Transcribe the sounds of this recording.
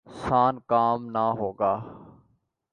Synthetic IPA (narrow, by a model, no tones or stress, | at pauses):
saːnkaːmnaɦoːɡaː